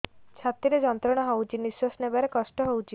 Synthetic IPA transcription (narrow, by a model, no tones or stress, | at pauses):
t͡ʃʰat̪ɾiɾed͡ʒɔnt̪ɾɔɽ̃ɔɦowt͡ʃʰiniswasnebaɾekɔsʈɔɦowt͡ʃʰi